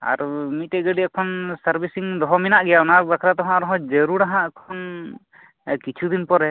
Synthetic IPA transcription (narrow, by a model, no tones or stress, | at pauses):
a̰ɾmit̪̚ɛɡəɖiɛkʰɔnsaɾbisiŋd̪ɔɦɔminaʔɡɛjaɔnabakʰɾat̪ɔɦɔ̃aɾɔɦɔ̃d͡ʒəɾuɽaɦãkʰɔn | kit͡ʃʰud̪inpɔɾɛ